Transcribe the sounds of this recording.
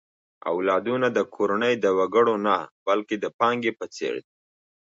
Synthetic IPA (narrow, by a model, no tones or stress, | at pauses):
a̰wlɑd̪unad̪əkʰoɾanəjd̪əwaɡəɽonabalked̪əpɑŋɡepət͡sḛɽd̪i